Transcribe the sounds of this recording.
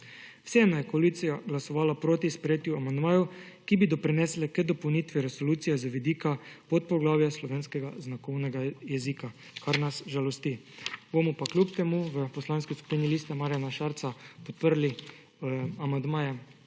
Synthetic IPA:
w̥sɛnajɛkoalit̪sijaɡlasɔʋaːlapɾoːt̪ispɾɛjeːt̪juamand̪maːjukibid̪ɔpɾinɛːslɛkəd̪ɔpownit̪ʋiɾɛsoluːt̪sijɛzaʋid̪iːkapot̪̚pɔɡlaːwjaslɔʋeːnskɛɡaznakɔwnɛɡajɛziːka | kaɾnasʒalɔst̪i | bomɔpakljupt̪ɛmuʋəpɔslanskisku̥piːniliːst̪ɛmaɾjanaʃaɾt̪sapɔt̪̚pəɾli | amand̪maːja

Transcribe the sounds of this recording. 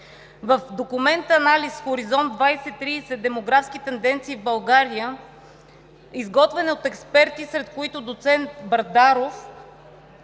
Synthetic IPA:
vəfd̪okumɛnt̪ɐnalisxoɾizɔnd̪vajsɛt̪ːɾiːsɛd̪ɛmoɡɾafskit̪ɛnd̪ɛnt̪siːvbɐlˠɡaɾijə | izɡɔt̪vɛnɛot̪ɛkspɛɾt̪isɾɛt̪koit̪ʊd̪ot̪sɛnt̪bɐɾd̪aɾof

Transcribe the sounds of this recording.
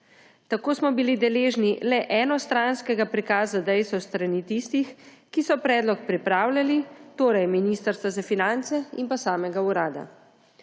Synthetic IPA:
t̪akoːsmɔbilid̪ɛleːʒnilɛʔɛnɔst̪ɾanskɛɡapɾikaːzad̪ɛjst̪ɔst̪ɾanit̪ist̪ix | kisɔpɾɛːd̪lɔk̚pɾipɾaːwlʲalit̪oːɾajminist̪əɾst̪ʋazafinant̪sɛimpasaːmɛɡauɾaːd̪a̰

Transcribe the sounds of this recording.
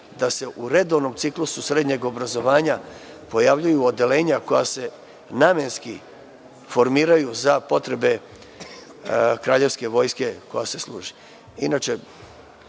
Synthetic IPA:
d̪ase̞ʔuɾe̞d̪o̞ʋno̞mt̪siklususɾed̪ɲe̞ɡo̞bɾazo̞ʋaːɲa | po̞jaʋʎujuo̞d̪e̞le̞ːɲako̞ja̰se̞ | naːme̞nski | fo̞ɾmiːɾajuzapo̞t̪ɾe̞be̞ | kɾaːʎe̞ʋske̞ʋo̞ːjske̞ko̞jase̞slˠṵːʒi | inat͡ʃe̞

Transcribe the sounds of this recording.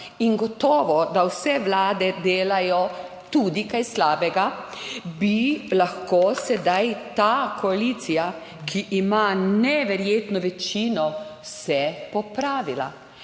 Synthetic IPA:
inɡɔt̪ɔːʋɔd̪awsɛʋlaːd̪ɛd̪eːlajɔ | t̪uːd̪ikajslaːbɛɡabilaxkoːsɛd̪ajt̪akɔalit̪sija | kʰiʔːmanɛʋɛɾjeːt̪nɔʋɛt͡ʃiːnɔsɛpɔpɾaːʋila̰

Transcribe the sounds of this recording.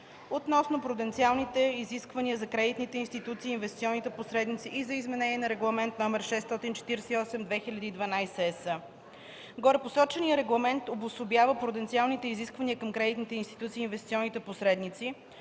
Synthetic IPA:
ot̪nɔsnopɾod̪ɛnt̪sialˠnit̪ɛiziskvɐniəzɐkɾɛd̪it̪nit̪ɛinst̪it̪ut̪siːnvɛst̪siɔnːit̪ɛposɾɛd̪nit̪siʔizɐizmɛnɛniɛnɐɾɛɡlˠɐmɛnt̪nɔmɛɾʃɛst̪ɔt̪int͡ʃɛ̥t̪iɾsɛiɔsɛmd̪vɛxilʲɐd̪iːd̪vɐnajsɛɛsə | ɡoɾɛposɔt͡ʃɛniəɾɛɡlˠɐmɛnt̪obʊsʊbjavəpɾod̪ɛnt̪sialˠnit̪ɛiziskvɐniəkəmkɾɛd̪it̪nit̪ɛinst̪it̪ut̪siːnvɛst̪t̪siɔnːit̪ɛposɾɛd̪nit̪si

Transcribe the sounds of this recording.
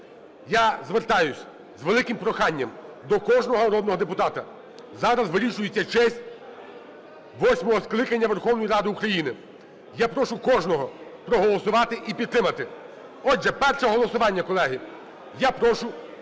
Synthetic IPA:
jazʋert̪ɑjʊsʲ | zʋelˠɪkɪmpɾɔxɑnʲːɐmd̪ɔkɔʒnɔɦɔnɾɔd̪nɔɦɔd̪epʊt̪ɑt̪ɐ | zɑɾɐzʋɪɾʲiʃʊjet͡sʲːɐt͡ʃɛsʲtʲ | ʋɔsʲmɔɦɔsklˠɪkɐnʲːɐʋerxɔwnɔjiɾɑd̪ɪukɾɐjinɪ | japɾɔʃʊkɔʒnɔɦɔpɾɔɦɔlˠɔsʊʋɑt̪ɪʔipʲid̪t̪ːɾɪmɐt̪ɪ | ɔdʒɛpɛrʃɛɦɔlˠɔsʊʋɑnʲːɐkɔlˠɛɦɪ | japɾɔʃʊ

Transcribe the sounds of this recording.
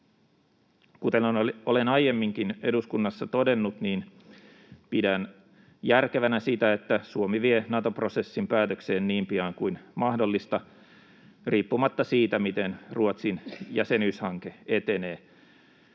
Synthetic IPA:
kut̪enolenɑje̞mːiŋk̟ine̞̰duskunːɑsːɑt̪o̞de̞nːut̪niːn | pidæn | jærkeʋænæsit̪æet̪ːæsuomiʋienɑt̪o̞pro̞se̞sːimpæːt̪økseːnniːmpiɑːŋkujnmɑhdo̞lːist̪ɑ | riːpːumɑt̪ːɑsiːt̪æmit̪enruot̪sinjæse̞nyːshɑŋke̞et̪e̞neː

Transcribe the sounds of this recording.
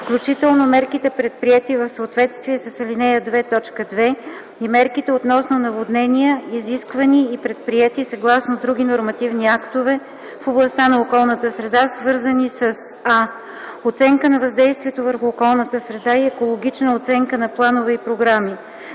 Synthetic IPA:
fklʲut͡ʃit̪ɛlˠnomɛɾkit̪ɛpɾɛt̪̚pɾiɛt̪ivəfsəot̪vɛt̪st̪viɛsəsɐlinɛjəd̪vɛt̪ɔt͡ʃkəd̪vɛ | imɛɾkit̪ɛot̪nɔsnonɐvod̪nɛnʲiəiziskvəniːpɾɛt̪̚pɾiɛt̪isɐɡlˠasnod̪ɾuɡ̟ʲinoɾmɐt̪ivniakt̪ovɛ | foblˠɐst̪anɐokɔlˠnət̪əsɾɛd̪asvɤɾzənisəs | a | ot̪sɛŋkənɐvɐzd̪ɛjst̪viɛt̪ovəɾxʊːkɔlˠnət̪əsɾɛd̪aiɛkolˠoɡʲit͡ʃnəot̪sɛŋkənɐplˠanovɛipɾoɡɾami

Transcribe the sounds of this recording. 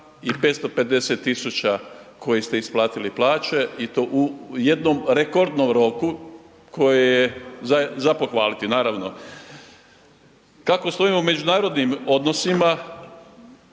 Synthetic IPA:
ipet̪st̪o̞pe̞d̪e̞set̪ːisut͡ɕakʰo̞jest̪e̞isplˠaːt̪iliplˠaːt͡ɕe̞it̪o̞ːʔuje̞d̪nomɾe̞ko̞ɾd̪nomɾo̞ku | kʰo̞jejezazapoxʋaːlit̪inaːɾaʋno̞ | kako̞st̪o̞imoume̞d͡ʒunaːɾo̞d̪nimo̞d̪no̞sima

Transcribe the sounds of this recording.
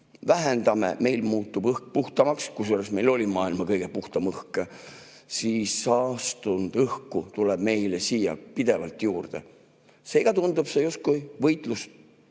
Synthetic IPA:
væɦend̪ɑme̞̰me̞jlmuːt̪ˑːubɤhk̚puht̪ɑmɑkskujseoresmejlo̞lʲimɑːilmɑkɤjɡ̥e̞puht̪ɑmɤhke | siːsɑːst̪und̪̥ɤhkut̪uleb̥me̞jlesiːjɑ̰pid̪e̞vɑ̰lt̪ˑjuːrd̪̥ḛ | se̞ːɡ̥ɑt̪und̪ub̥se̞just̪̚kujvɤjt̪ˑlus

